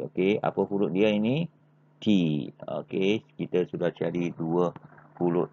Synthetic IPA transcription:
o̰kea̰pəpulʊʔ̚diaini | t̪io̰kekit̪əsudaht͡ʃaɾiduəfulʊʔ

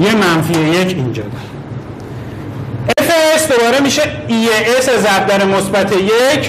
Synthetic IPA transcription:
jemænfieje̞cʰind͡ʒɒ̰ːd̪ɒɾ | efeesd̪o̞bɒːɾe̞miːʃeieʔesezæb̚d̪æɾemosbæt̪ʰejecʰ

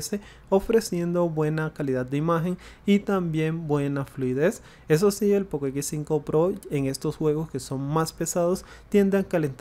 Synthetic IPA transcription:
se̞ | o̞fɾe̞sje̞nd̪o̞βwe̞nakaliðad̪̚d̪eimaxe̞ŋit̪ambje̞mbwe̞nafluiðe̞s | e̞s̬o̞sie̞lpokek̬issiŋkopɾo̞eŋe̞st̪o̞sxwe̞ɣo̞ske̞so̞ŋmaspe̞saðo̞st̪je̞nd̪aŋkalent̪

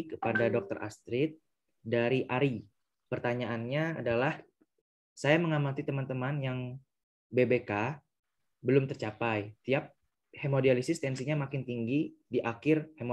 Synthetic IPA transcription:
kəpadadɔk̚t̪əɾa̰st̪ɾɪt̪̚ | daɾiʔaɾi | pərt̪aɲaʔanɲa̰ːdalah | sajaməŋamat̪it̪əmant̪əmanjaŋ | bebeka | bəlʊmt̪ərt͡ʃapajt̪iap̚ | hemodialisɪst̪ɛnsiɲamakɪnt̪iŋɡidiʔakɪrhemo

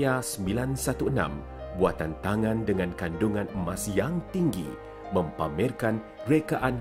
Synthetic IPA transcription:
asəmbilansat̪uənã̰m | buat̪ant̪aŋãndəŋankanduŋanəmasjaŋt̪iŋɡḭ | mə̃mpamɛrkan | ɾekaʔan

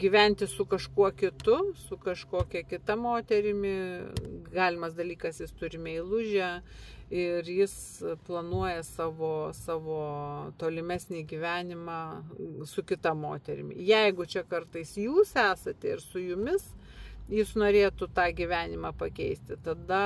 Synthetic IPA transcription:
ɡʲiːʋʲɛnʲt̪ʲɪsʊkɐʃkuɔkʲɪt̪ʊsʊkɐʃkoːkʲɛkʲɪt̪ɐmoːt̪ʲɛɾʲɪmʲɪ | ɡɑːlʲɪmɐsd̪ɐlʲiːkɐsjɪst̪ʊɾʲɪmʲɛɪlˠʊʒʲæ | ɪrjɪs | plˠɐnuɔjɛsɑːʋoːsɑːʋoːt̪oːlʲɪmʲæsʲnʲiːɡʲiːʋʲæːnʲɪmɑːsʊkʲɪt̪ɐmoːt̪ʲɛɾʲɪmʲɪ̰jɛɪɡʊt͡ʃʲɛkɐrt̪ɐɪsjuːsæːsɐt̪ʲɛɪɾsʊjʊmʲɪsjɪsnoːɾʲeːt̪ʊt̪ɑːɡʲiʋʲæːnʲɪmɑːpɐkʲɛɪsʲt̪ʲɪt̪ɐd̪ɐ

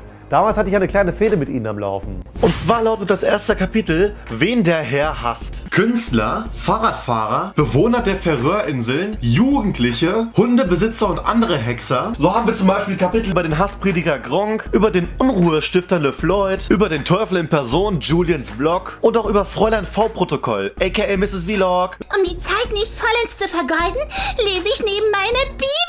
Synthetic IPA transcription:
d̥aːmaːlshatəɪçʔaɪnəkʰl̥aɪnəfeːɾəmɪtʔḭːnənamla̰ʊfn̩ʔʊnt̚t͡sv̥aːɐlaʊtət̚d̥asʔeːɐstəkʰapitl̩veːndeːɐɦɛɐha̰stkʰʏnstlɐfaːʁaːtfa̰ːʁɐb̥əvoːnɐdeːɐfɛʁøːɐʔɪnzl̩njuːɡŋ̩tʰlɪçəhʊndəbəzɪt͡sɐʊntʔa̰ndəʁəɦɛksɐzoːhaːbm̩viːɐt͡sʊmbaɪʃpiːlkʰapɪtl̩ybɐɾeːnɦaspʁ̥eːdiɡɐɡʁɔŋkʔyːbɐdeːnʔʊnʁuːəʃtɪftɐləflɔʏtʔyːbɐdeːntʰɔʏfl̩ɪnpʰɛɐzoːnd͡ʒuːljənsb̥lɔkʔʊntaʊʔyːbɐfʁ̥ɔʏlaɪnfaʊpʁ̥otokʰɔ̰lʔɛɪkaɛlmɪsɪsv̥iːlɔkʔʊmdiːt͡saɪtnɪçtfɔlɛnst͡sufɛɐɡɔldn̩leːzəɪçneːbm̩maɪnəb̥iː

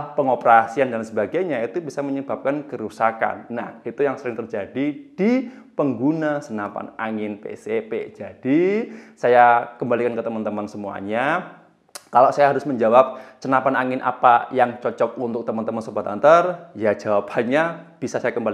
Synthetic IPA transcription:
pəŋopəɾasiandansəbaɡaɲait̪ubisaməɲəb̥ap̚kankəɾusaka̰nːahit̪ujaŋsəɾɪŋt̪ərd͡ʒadid̥ipəŋɡunasənapa̰naŋɪnpḛsepḛd͡ʒad̥isajakəmbalikankət̪əmənt̪əmansəmua̰ɲa | kaloʔsajaɦaɾʊsməɲd͡ʒawap̚sənapanaŋɪnʔa̰pajaŋt͡ʃɔt͡ʃɔk̚unt̪ʊk̚t̪əmant̪əmansəbat̪a̰nt̪ərjad͡ʒawaphaɲab̥isasajakəmbali

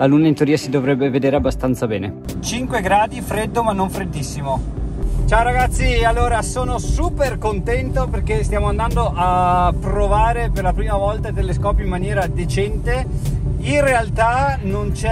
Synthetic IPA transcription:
lalunaint̪eoɾiːasid̪ovɾɛbːeved̪eːɾeabːast̪ant̪sabɛːnet͡ʃiŋkweɡɾaːd̪ifɾed̪ːomanːoɱfɾed̪ːisːimot͡ʃaoɾaɡat̪sːialːoːɾasoːnosuːperkont̪ɛnt̪operk̟est̪jaːmoand̪and̪oʔapːɾovaːɾeperlapɾiːmavɔlt̪ait̪eleskɔːpjoimːanjɛːɾad̪et͡ʃɛnt̪e | inrealt̪anont͡ʃɛ

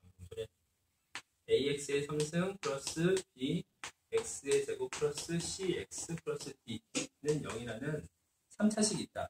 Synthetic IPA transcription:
oŋsʰoɾe | e̞ie̞k̚s͈ɯe̞sʰʌŋsʰɯŋpʰɯɾʌs͈ɯpi | ek̚s͈ɯe̞sʰe̞ɡopʰɯɾʌs͈ɯɕ͈ʰiek̚s͈ɯpʰɯɾʌs͈ɯpinɯnjʌŋiɾanɯn | sʰamt͡ɕʰaɕʰiɡit̚t͈a

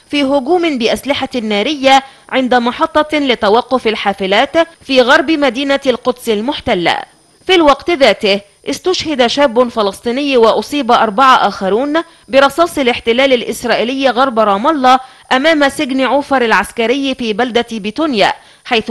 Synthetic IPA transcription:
fiːɦʊɡuːmɪnbɪʔaslɪħanːaːɾɪjːaʕɪnd̪amɑħɑt̪ˤːɑlɪt̪awɑqːʊfalħaːfɪlaːt̪fiːɣɑɾˤbɪmad̪iːnalqʊd̪sɪlmʊħt̪alːa̰ | filwɑqt̪ðaːt̪ɪh | ʔɪst̪ʊʃhɪd̪aʃaːbːʊnfɑlɑsˤt̪ˤiːnɪjːwɪʔʊsˤiːbʔɑɾˤbɑʕaʔaːxɑɾuːn | bɪɾˤɑsˤɑːsˤɪlɪħt̪ɪlæːlalʔɪsɾˤɑːʔɪlɪjːɣɑɾˤbɾˤɑːmɑlˤːɑ | ʔamaːmasɪɡnʕʊːfɑɾˤalʕaskaɾɪjːfiːbald̪abɪt̪unja̰ː | ħajθ

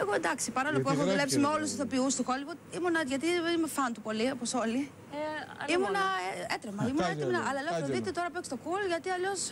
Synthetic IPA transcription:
eɣoed̪ɐksipɐɾɐolopuexoðule̞psimeo̞lusiθopiust̪okolivoimunɐʝɐt̪̬ienimefɐnt̪upo̞lioposo̞li | imunɐeet̪ɾemɐimunɐet̪iminɐʔɐlɐloɾoðit̪et̪oɾɐpekst̪okulʝɐt̪iɐʎo̞s

